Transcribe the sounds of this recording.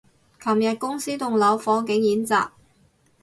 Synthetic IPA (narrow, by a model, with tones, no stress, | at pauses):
kʰɐ˨˩mjɐ˨t̚kʊ˥ŋsiː˥t̪ʊ˨ŋlɐ˨˥wfɔː˨˥ŋkɪ˨˥ŋjiː˨˥nt͡sa̰ː˨p̚